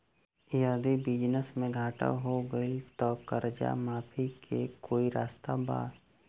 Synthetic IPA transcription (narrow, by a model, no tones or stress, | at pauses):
jaːd̪ibɪd͡ʒnəsmẽɡʱaːʈa̰ɦoɡəit̪ɔːkəɾd͡ʒa̰maːpʰikʰekoːiɾaːst̪aba̰ː